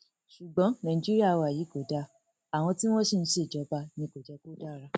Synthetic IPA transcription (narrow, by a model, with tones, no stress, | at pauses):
ʃu˨ɡ͡bɔ̃˨˦nã˨ĩ˨d͡ʒi˦ɾi˦a˦˨˧wa˨ji˨˦ɡo˨da˧ | a˨w̃ɔ̃˧ti˦w̃ɔ̃˦ʃi˦˧n̩˦ʃe˦˨d͡ʒɔ˨˦ba˧nĩ˧ɡo˨d͡ʒɛ˧ko˦da˦˨˧ɾa˧